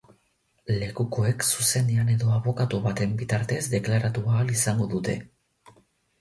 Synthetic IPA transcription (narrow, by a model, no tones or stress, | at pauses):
le̞kuko̞e̞ksuse̞nd̪eane̞ðo̞aβo̞kat̪uβat̪e̞mbit̪aɾt̪e̞zd̪e̞klaɾat̪uaːlisaŋɡo̞ðut̪e̞